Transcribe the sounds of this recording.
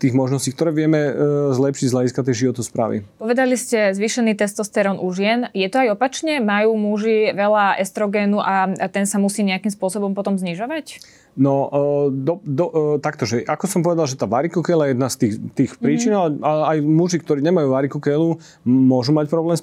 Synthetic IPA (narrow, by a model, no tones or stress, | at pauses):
t̪iːɣmɔʒnɔsciːk̚t̪ɔɾɛːʋɪɛmɛzlɛpʃiɟzʎaɟiskat̪ɛjʒiʋɔt̪ɔspɾa̰ːʋḭpɔʋɛd̪aliscɛzʋiːʃɛniːt̪ɛst̪ɔst̪ɛɾɔnʔuʒɪɛnjɛt̪ɔajɔpat͡ʃɲɛmajuːmuʒiʋɛlaʔɛst̪ɾɔɡɛːnuʔat̪ɛnsamusiːɲɛakimspʊɔsɔbɔmpɔt̪ɔmzɲiʒɔʋac | nɔd̪ɔd̪ɔt̪akt̪ɔʒɛʔakɔsɔmpɔʋɛd̪alʒɛt̪aːʋaɾikukɛlajɛd̪nast̪iːxt̪iːxpɾiːt͡ʃinalɛaajmuʒik̚t̪ɔɾiːɲɛmajuːʋaɾikukɛlu | mʊɔʒumacpɾɔblɛːms